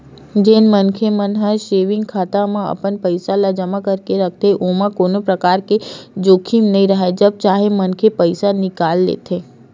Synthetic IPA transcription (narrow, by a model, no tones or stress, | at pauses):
d͡ʒenmənkʰemənɦaʃeʋɪ̃ŋɡkʰat̪amãə̰pənpəjsalad͡ʒəmãkəɾkeɾək̚ʰt̪ʰeʔomãkonopɾəkaɾked͡ʒokʰimnəɦĩɾəɦaed͡ʒəb̚t͡ʃaɦemənkʰepəjsanɪkalːḛt̪ʰe